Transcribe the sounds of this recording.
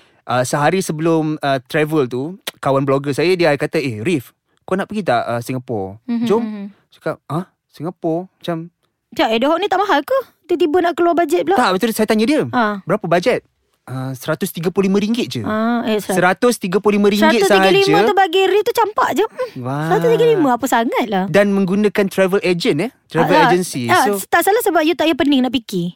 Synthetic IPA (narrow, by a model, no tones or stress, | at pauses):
ʔəsəɦaɾisəbəlʊmət̪ɾɛvəlt̪ukawanbloɡəsajədiakat̪əehrif | konaʔpəɡit̪aʔəsiŋɡapɔ̰rd͡ʒom | su̥kap̚ah | siŋɡapɔrmat͡ʃam | t͡ʃaʔedəɦɔʔ̚nit̪aʔmaɦalkəh | t̪ət̪ibənaʔkəluabad͡ʒɛt̪̚blat̪aʔbət̪usajat̪aɲadiəabəɾapəbad͡ʒɛt̪̚ | əsəɾat̪ʊst̪iɡəpllimə̃ɾiŋɡɪt̪̚d͡ʒə̰ʔaesəsəɾat̪ʊst̪iɡəplʊlimə̃ɾisəɾŋatɡɪt̪̚ʊsiɡalimə̃t̪ubaɡiɾit̪ut͡ʃampa̰ʔd͡ʒm̩wasəɾat̪ʊst̪iɡalimə̃apəsaŋat̪̚lahdanmə̃ŋɡunãkant̪ɾavəled͡ʒənɛt̪ɾavəled͡ʒənsiaot̪aʔsalahsəbap̚jut̪aʔjapənɪŋnaʔpiki